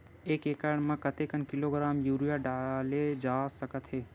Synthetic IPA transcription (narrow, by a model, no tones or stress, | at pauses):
eːkeːkəɳmãkət̪eːkənkɪloːɡɾaːmjuːɾijaɖaːled͡ʒaːsəkət̪ɦeː